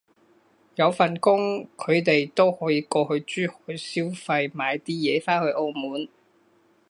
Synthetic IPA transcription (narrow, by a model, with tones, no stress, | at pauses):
jɐ˨˧wfɐ˨˩nkʊ˥ŋkʰɵ˨˧ɥt̪e˨jt̪o˥whɔː˨˥jiː˧kɔː˧hɵ˧ɥt͡ʃyː˥hɔ̥ː˨˥jsiː˥wfɐ˧jmaː˨˧jt̪iː˥jɛː˨˧faː˥nhɵ˧ɥʔo˧wmuː˨˥n